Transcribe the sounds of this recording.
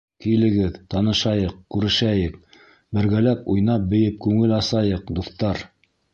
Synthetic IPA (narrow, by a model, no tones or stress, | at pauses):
kij̆lɘ̆ɡɘðt̪ɑnɤ̆ʃɑjɤqkʉɾɘ̆ʃæjɘk̚ | bɘ̆ɾɡælæpujnɑp̚bɘ̆jɘp̚kʉŋɘlɑsɑjɤqd̪uθt̪ɑɾ